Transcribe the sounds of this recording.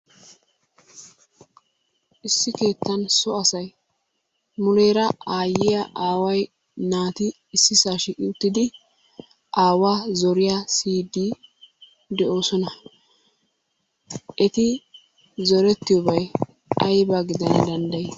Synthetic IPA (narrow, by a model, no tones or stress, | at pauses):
ʔɪsːɪke̞ːt̪ːɐnsɔɐsɐj | mʊlɛjɾɐaːjːɪjaʔaːwɐj | naːt̪ɪ | ɪsːɪsaːʃiʔɪʊt̪ːɪd̪ɪ | ʔaːwaːzɔɾɪjasiːd̪i | d̪ɛʔo̞ːsɔnɐ | ʔɛt̪ɪ | zɔɾɛt̪ːɪjɔbɐj | ɐjbaɡɪd̪ɐnd̪ɐnd̪ɐjɛ